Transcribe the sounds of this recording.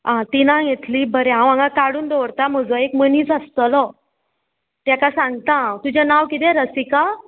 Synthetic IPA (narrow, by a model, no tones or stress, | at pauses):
ãt̪inãjet̪liːbəɾeɦãwãŋɡakaɽuːnd̪oɾt̪am̤əd͡zəekməniːt͡səst̪əlɔ | t̪jakasãŋɡt̪aɦãwt̪ud͡ʑanawkit̪ɛ̃ɾəsika